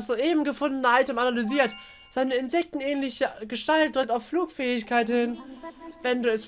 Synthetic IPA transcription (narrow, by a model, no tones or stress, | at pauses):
sz̥oːʔeːbm̩ɡəfʊndnəʔaltəmanalyziːɐt | z̥aɪnəɪnzɛk̚tn̩ʔɛːnlɪçəɡ̥əʃtalt̚d̥ʁɪk̚taʊffluːkfɛːɪçkʰaɪthɪnvɛnduːɛs